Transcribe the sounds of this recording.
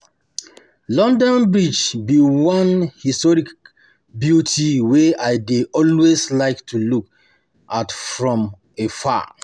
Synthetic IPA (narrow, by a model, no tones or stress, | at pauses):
lɔ̃ndɔ̃nbɹid͡ʒbiwɔ̃nhistɔɹik | bjutʰiwɛaɪdeʔɔlweslaɪktʰuluk | ʔatfɹɔ̃m | efa̰